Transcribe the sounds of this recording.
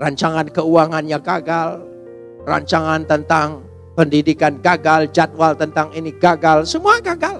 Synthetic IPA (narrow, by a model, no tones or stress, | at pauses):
raɲt͡ʃaŋankəuaŋanɲaɡaɡal | ra̰ɲt͡ʃaŋant̪ənt̪aŋ | pəndidikanɡaɡald͡ʒat̪̚walt̪ənt̪aŋiniɡaɡalsəmuaɡaɡal